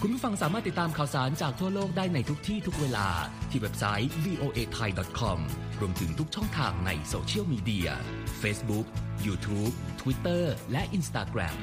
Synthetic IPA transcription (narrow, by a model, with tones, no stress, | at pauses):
kʰu˧npʰuː˥˩fa˧ŋsaː˩˦maː˥˩t̪ːi˨˩t̪ːaː˧mkʰaː˨˩wsaː˩˦nt͡ɕaː˨˩k̚t̪ʰu˥˩ɐəloː˥˩k̚daː˥˩jna˧jt̪ʰu˦˥k̚t̪ʰiː˥˩t̪ʰu˦˥k̚weː˧la̰ː˧t̪ʰiː˧˩we˦˥p̚sa˦˥jwiː˧ʔoː˧ʔeː˧t̪ʰa˧jdɔ˨˩t̪̚kʰɔ˧mɾu˧əmt̪ʰɯ˩˦ŋt̪ʰu˦˥k̚t͡ɕʰɔ˥˩ŋt̪ʰaː˧ŋna̰˧jsoː˧t͡ɕʰi˥˩əwmiː˧di˧ɐ̰feː˦˥sbu˦˥k̚juː˧t̪ʰuː˦˥p̚t̪ʰwi˦˥t̪ːɤː˥˩lɛ˦˥ʔi˧nst̪aː˧kɾɛ̰˧m